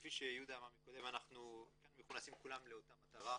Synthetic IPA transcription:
fiʃejud̪aːmaʁmikod̪emanaχnukanumeχunasimkulamleotamat̪aʁa

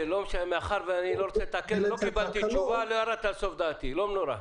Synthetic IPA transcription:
elomʃaameaχaɾveaniloɾot͡set̪akeɾlokibalt̪it͡ʃuvaloaɾat̪alsofd̪aːt̪ilomnoɾa̰

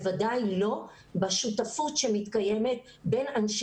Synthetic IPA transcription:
vadajlo̞ | baʃutafutʃemit̪kaje̞met̪ | be̞nanʃ

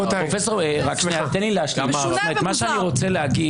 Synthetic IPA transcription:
ʁofesoʁʁakʃneat̪enileaʃlammet̪maʃeaniʁo̞t͡seleaɡi

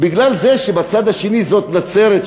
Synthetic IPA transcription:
biɡlalzeʃebat͡sad̪aʃe̞nizo̞t̪nat͡seɾet

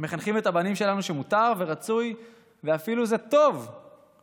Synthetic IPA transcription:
me̞χanχime̞t̪habanimʃe̞lanuʃe̞mut̪aʁve̞ʁat͡suj | veafiluze̞t̪o̞v

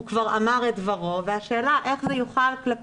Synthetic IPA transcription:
ukvaʁamaʁetvaʁo̞veaʃeːlaʔe̞χzejuχalklap

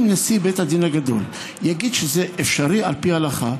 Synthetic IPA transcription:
mnesibet̪had̪inaɡad̪o̞̰l | jaɡid̪ʃezeʔefʃaʁialpihalaχa

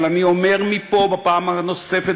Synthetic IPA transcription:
laniomeʁmipobapaːmanosefe

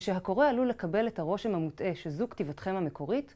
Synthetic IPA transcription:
ʃe̞ɦako̞ʁealule̞kabe̞lethaʁo̞ʃemhamutʔe̞ʃezuktivotχe̞mhameko̞ʁit

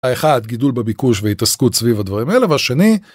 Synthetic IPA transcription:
aeχad̪ɡidulbebikuʃveit̪askut̪svivhad̪vaʁimaeleveaʃe̞ni

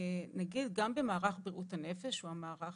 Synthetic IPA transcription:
naɡid̪ɡambe̞maːʁaχbiʁʔuthane̞fe̞ʃuamaːʁa

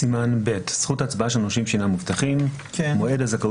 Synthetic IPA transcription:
imanbe̞tsχutaːt͡sbaaʃelnoʃimʃinamuvt̪aχim | kːoe̞dazaka

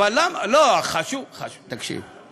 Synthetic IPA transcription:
alːamaloχaʃuvχaʃut̪akʃḭv

